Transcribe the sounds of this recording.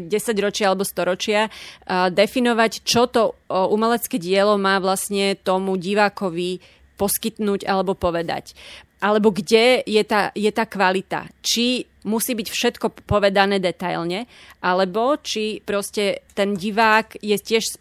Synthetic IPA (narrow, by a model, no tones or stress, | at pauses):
ɟɛsaɟɾɔt͡ʃɪaalɛbɔst̪ɔɾɔt͡ʃɪad̪ɛfinɔʋact͡ʃɔt̪ɔʔumɛlɛt͡skɛːɟɪɛlɔmaːʋlasɲɛt̪ɔmuɟiʋaːkɔʋi | pɔskit̪nuːɟa̰lɛbɔpɔʋɛd̪a̰cʔalɛbɔɡɟɛjɛt̪ajɛt̪aːkʋalit̪a̰t͡ʃi | musiːbicfʃɛt̪kɔpɔʋɛd̪anɛːd̪ɛt̪ajlɲɛ | ʔalɛbɔt͡ʃipɾɔscɛt̪ɛnɟiʋaːkjɛcɪɛʃs